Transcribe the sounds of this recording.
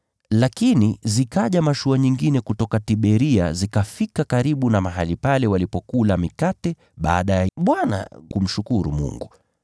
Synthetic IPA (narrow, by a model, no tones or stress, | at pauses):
lakinizikaʄamaʃuaɲiŋɡinɛkutɔkatiɓɛɾia̰zikafikakaɾiɓunamaɦalipalɛwalipɔkulamikatɛ | ɓa̰ːɗajaɓwana̰kum̩ʃukuɾṵmṵŋɡu